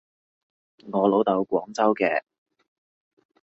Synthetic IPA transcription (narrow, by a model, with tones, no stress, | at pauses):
ŋɔː˨˧lo˨˥wt̪ɐ˨˧wkʷɔː˨˥ŋt͡sɐ˥wkɛː˧